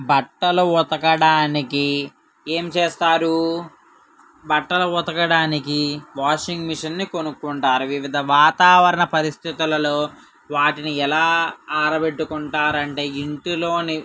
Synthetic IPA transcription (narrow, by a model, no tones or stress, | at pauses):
bɐʈːɐluɔt̪ɐkɐɽaːniki | e̞ːmt͡ʃeːst̪aːɾu | bɐʈːɐlɐɔt̪ɐkɐɽaːnikiʋaːʂiŋɡmiʂɐnːikonukːuɳʈaːɾuʋiʋid̪ʱɐʋaːt̪aːʋɐɾɐɳɐpɐɾist̪ʰit̪ulɐlo̞ː | ʋaːʈiniɛlaːaːɾɐbe̞ʈːukuɳʈaːɾɐɳʈe̞ːiɳʈilo̞ːni